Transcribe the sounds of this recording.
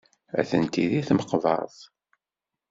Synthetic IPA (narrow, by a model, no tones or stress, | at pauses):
æ̰θənt̪iðiθməqvɑ̰ðˤ